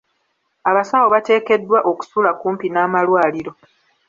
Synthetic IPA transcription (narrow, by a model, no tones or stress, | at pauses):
aβasawo̞βate̞ːke̞dːwaʔo̞ku̥sulakuːmpinaːmalwaːliɾo̞